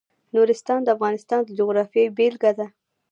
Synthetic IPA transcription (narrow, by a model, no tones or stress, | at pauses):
nuɾɪst̪ɑnd̪əafɣɑnɪst̪ɑnd̪əd͡ʒʊɣɾɑfjejbelɡad̪a